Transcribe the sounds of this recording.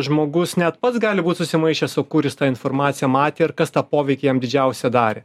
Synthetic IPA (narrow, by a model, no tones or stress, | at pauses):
ʒmoːɡʊsnʲɛt̪pɐt̪sɡɑːlʲɪbuːt̪ʲsʊsʲɪmɐɪʃʲɛsoːkʊɾʲɪst̪ɑːɪnfoːɾmɑːt̪sʲɪjɛmɑːt̪ʲeːɪɾkɐst̪ɑːpoːʋʲɛɪkʲɪjɛmd̪ʲɪd͡ʒʲɛʊsʲɛd̪ɑːɾʲɛ